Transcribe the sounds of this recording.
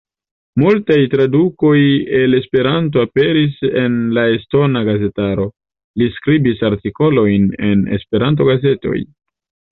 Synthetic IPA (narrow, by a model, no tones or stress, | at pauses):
multajtɾaduko̞je̞le̞spe̞ɾant̬o̞ape̞ɾise̞nlae̞sto̞naɡaze̞taɾo̞ | liskɾibisaɾtiko̞lo̞jne̞̰ne̞̰spe̞ɾant̬o̞ɡaze̞to̞̰j